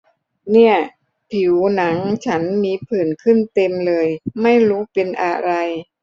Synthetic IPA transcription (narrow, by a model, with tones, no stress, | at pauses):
ni˥˩ɐ | pʰi˩˦wna˩˦ŋt͡ɕʰa˦˥nmiː˧pʰɯː˨˩nkʰɯ˥˩nt̪e˧mlɤː˧jma˥˩jɾuː˦˥pe˧nʔa̰˧ɾa˧j